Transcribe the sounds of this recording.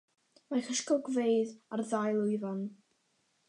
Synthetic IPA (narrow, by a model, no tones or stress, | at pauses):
maχəʃkɔlˠɡvejðarðajlˠʊɨvan